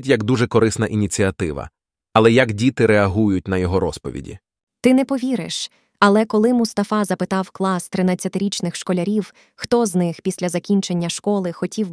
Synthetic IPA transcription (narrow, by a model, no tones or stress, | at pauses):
tʲjɐɡd̪uʒɛkɔɾɪsnɐʔinʲit͡sʲiɐt̪ɪʋɐ̰ | ɐlˠɛjɐɡdʲit̪ɪɾɛɐɦujʊt̚ʲnɐjɔɦɔɾɔspɔʋʲḭdʲḭ | t̪ɪnɛpɔʋʲiɾɪ̰ʃ | ɐlˠɛkɔlˠɪmʊst̪ɐfɑzɐpɪt̪ɑwklˠɑst̪ɾɪnat͡sʲːɐt̪ɪɾʲit͡ʃnɪxʃkɔlʲɐɾʲiw | xt̪ɔznɪxpʲisʲlʲɐzɐkʲinʲt͡ʃe̞nʲːɐʃkɔlˠɪxɔtʲiw